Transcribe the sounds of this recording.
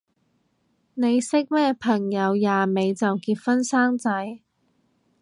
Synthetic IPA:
ne˨˧jsɪ˥k̚mɛː˥pʰɐ˨˩ŋjɐ˨˧wjaː˨me˨˧jt͡sɐ˨wkiː˧t̚fɐ˥nsaː˥ŋt͡sɐ˨˧˥j

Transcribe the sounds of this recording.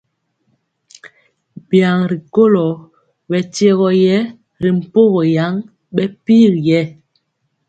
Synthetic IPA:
bja˨ŋɾi˨ko˦lɔ˨ | bɛ˨tje˦ɣɔ˨jɛ˦ | ɾi˨m̩˨po˦ɣɔ˨ja˨˦ŋ | ɓɛ˦pi˦˨ɾjɛ˦

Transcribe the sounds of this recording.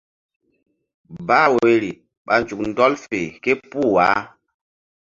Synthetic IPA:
ba˦we˨li˨ | ɓa˨n˨t͡ʃu˨k̚n̩˦dɔ˦lfe˨ke˦pu˦˨wa˨˦

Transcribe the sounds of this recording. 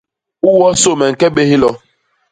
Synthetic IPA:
u˦wɔ˦so˦˨me˨ŋ̩˨ke˦be˦ɦi˦lɔ˦

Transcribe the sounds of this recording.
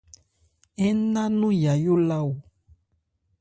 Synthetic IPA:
ɛ˦nã˦nũ˦ja˨jo˦la˦wu˨

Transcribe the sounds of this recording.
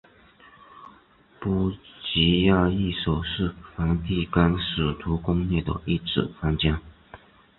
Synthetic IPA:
pu˥t͡ɕi˧˥ja˥˧i˥˩ʂo˨˩ʊʂɻ̩˥˩fa˧˥nt̪i˥˩ka˥nʂɻ̩˨˩t̪ʰu˧˥kʊ˥ŋne˥˩ɪd̪ə̰˨˩i˥˩ʈ͡ʂɻ̩̰˨˩fa˥nt͡ɕja˥

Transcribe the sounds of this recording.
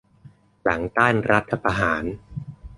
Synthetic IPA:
la˩˦ŋt̪aː˥˩nɾa˦˥t̪ʰːa˧pa˧ɦaː˩˦n

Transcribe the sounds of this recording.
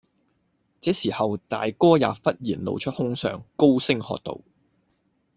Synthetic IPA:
t͡sɛː˨˥siː˨˩hɐ˨wt̪a̰ː˨jkɔː˥ja̰ː˨pfɐ˥t̚jiː˨˩nlo̰˨˧wt͡ʃʰɵ˥t̚hʊ˥ŋsœ̰ː˨ŋko˥wsɪ˥ŋhɔ̰ː˧k̚t̪o̰˨w

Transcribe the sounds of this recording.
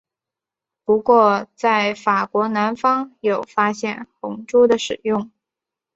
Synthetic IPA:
pu˧˥kwɔ˥˧t͡sa˥˩ɪfa˨˩kwɔ˧˥na˧˥nfɑ˥ŋjo˨˩ʊfa˥ɕjɛ˥˩nxʊ˧˥ŋʈ͡ʂu˥d̪ə˨ʂɻ̩˨˩jʊ˥˩ŋ

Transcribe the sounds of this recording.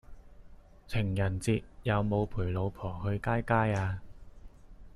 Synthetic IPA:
t͡sʰɪ˨˩ŋjɐ˨˩nt͡siː˧t̚jɐ˨˧wmo˨˧wpʰuː˨˩jlo˨˧wpʰɔː˨˩ɦɵ˧ɥkaː˥jkaː˥jaː˧

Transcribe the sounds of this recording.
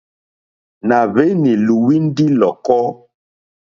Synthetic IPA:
na˨βe˦ni˨lu˨wi˦n˦di˦lɔ˨kɔ˦

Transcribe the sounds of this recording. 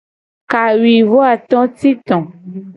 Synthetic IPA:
ka˨wi˨vo˦a˨t̪ɔ̃˦t̪i˦t̪ɔ̃˨

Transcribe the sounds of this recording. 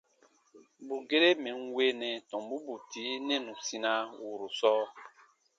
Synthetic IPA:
bu˨ɡe˦ɾe˦mɛ̃˨nwe˦nɛ̃˨tɔ̃˨mbu˦bu˨ti˨˦nɛ̃˦nũ˨sĩ˧nã˦wu˨ɾu˨sɔː˦

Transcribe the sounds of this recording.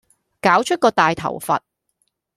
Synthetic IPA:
kaː˨˥wt͡ʃʰɵ˥t̚kɔː˧t̪aː˨jt̪ʰɐ̰˨˩wfɐ̰˨t̚

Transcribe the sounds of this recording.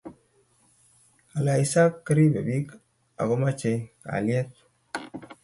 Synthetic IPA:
a˨la˨i˨sa˦kːə˦ɾi˦be˨bi˦k | a̰˨ɡo˦ma˦t͡ʃe˨ka̰˨li˦e˦t̚

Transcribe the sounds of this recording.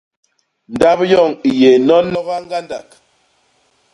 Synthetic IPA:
n̩˨da˦pjɔ˦˨ŋi˨je˨nɔ˦nɔ˦ɣa˦ŋ˦ɡa˦nda˨k

